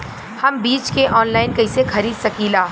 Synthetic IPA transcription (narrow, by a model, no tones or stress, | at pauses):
hɐmbiːt͡ʃkeʔɔːnlaːɪnkɐɪsexɐɾiːd̪sɐkiːlaː